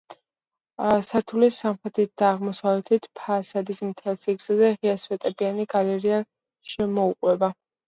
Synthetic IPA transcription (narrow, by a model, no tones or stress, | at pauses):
saɾt̪ʰulisamχɾɛt̪ʰit̪̚d̪̥aːʁmɔsavɛt̪ʰit̪ʰpʰaːsad̪ismt̪ʰɛlˠsiɡz̥azɛʁiaswɛt̪ʼɛbianiɡalɛɾia | ʃɛmɔuqʼwɛba